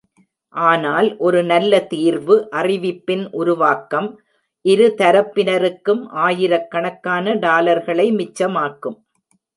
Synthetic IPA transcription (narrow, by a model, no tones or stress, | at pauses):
ʔaːnaːlʔɔɾɯnɐlːɐt̪iːɾʋɯʔɐrɪʋɪpːɪnʔʊɾʊʋaːkːɐm | ʔɪɾɯt̪ɐɾɐpːɪnɐɾɯkːɯmʔaːjɪɾɐkːɐɳɐkːaːnɐɖaːlɐɾɣɐɭɐɪmɪt͡ʃːɐmaːkːɯm